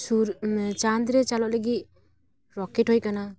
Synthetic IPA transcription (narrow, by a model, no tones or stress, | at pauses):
suɾt͡ʃand̪ɾet͡ʃalɔʔleɡi | ɾɔkethɔjkana